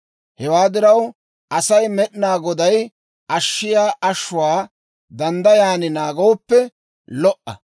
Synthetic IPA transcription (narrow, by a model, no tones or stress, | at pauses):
hɛwaːd̪ɪɾɐw | ʔɐsɐjmɛɗnaːɡɔd̪ɐj | ʔɐʃːɪjaːʔɐʃːʊwaː | d̪ɐnd̪ɐjaːnɪnaːɡɐwɔpːɛ | lɔʔɐ̰